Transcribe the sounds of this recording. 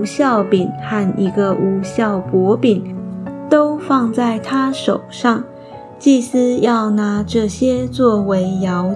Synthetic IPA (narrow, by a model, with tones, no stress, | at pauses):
ɕjɑ˥˩ʊpi˨˩nxa˥˩ni˧˥ɡə˧ʔu˧˥ɕjɑ˥˩ʊpwɔ˧˥pi˨˩nt̪o˥ʊfɑ˥˧ŋt͡sa˥˩ɪt̪ʰa˥ʂo˨˩ʊʂɑ˥˩ŋ | t͡ɕi˥˩sɹ̩˥jɑ˥˩ʊna˧˥ʈ͡ʂɤ˥˩ɕjɛ˥t͡swɔ˥˩we˧˥ɪjɑ˧˥ʊ